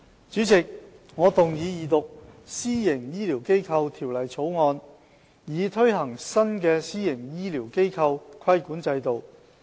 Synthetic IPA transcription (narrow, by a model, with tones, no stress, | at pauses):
t͡ʃyː˨˥t͡sɪ˨k̚ | ŋɔː˨˧t̪ʊ˨ŋjiː˨˧jiː˨˩t̪ʊ˨k̚siː˥jɪ˨˩ŋjiː˥liː˨˩wke˥jkʰɐ˧wt̪ʰiː˨˩wlɐ˨˩jt͡sʰo˨˥wŋɔː˧n | jiː˨˧t̪ʰɵ˥ɥɦɐ˨˩ŋsɐ˥nkɛː˧siː˥jɪ˨˩ŋjiː˥liː˨˩wke˥jkʰɐ˧wkʰɐ˥jkuː˨˥nt͡sɐ˧jt̪o˨w